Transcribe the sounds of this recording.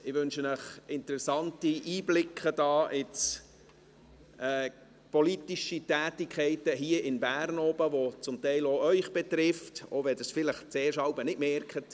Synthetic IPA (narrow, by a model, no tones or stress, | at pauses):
ɪʋʏnʃənəχɪntəɾɛsɑntiʔiːblɪkʰəd̥ɑːʔɪt͡s | ʔɛː | pɔlitiʃitæːtikʰχɛɪtəɦiəʔɪnbæːɾnɔːbəʋot͡sʊmtɛɪloœʏχb̥ɛtɾɪfto̰ʋɛdəsfɪləχt͡seːɾʃɑwbənɪdmɛrkʰət